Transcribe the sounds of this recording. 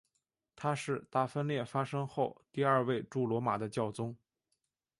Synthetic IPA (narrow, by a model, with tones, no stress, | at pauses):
t̪ʰa˥ʂɻ̩˥˧t̪a˥˩fə˥nljɛ˥˩fa˥ʂɤ˥ŋxo˥˧ʊt̪i˥˧ɐ˞˥˧we˥˧ɪʈ͡ʂu˥˩lwɔ˧˥ma̰˨˩d̪ə˦t͡ɕjɑ˥˩ʊt͡sʊ˥ŋ